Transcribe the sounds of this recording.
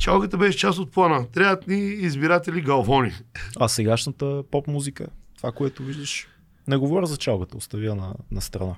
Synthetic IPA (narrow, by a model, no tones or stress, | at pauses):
t͡ʃalˠɡət̪əbɛʃɛt͡ʃast̪ot̪̚plˠanət̪ɾʲajət̪niːzbiɾat̪ɛliɡɐlˠvɔnʲḭasɛɡaʃnət̪əpɔpmuzikət̪ovakoɛt̪ʊviʒd̪əʃ | nɛɡovɔɾʲəzɐt͡ʃalˠɡət̪əost̪ɐviənɐnɐst̪ɾɐna